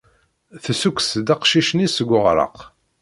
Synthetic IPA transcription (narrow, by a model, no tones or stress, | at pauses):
θəsukʷsd̪ɑqʃiʃnisəɡʷʊʁɾˤɑ̰q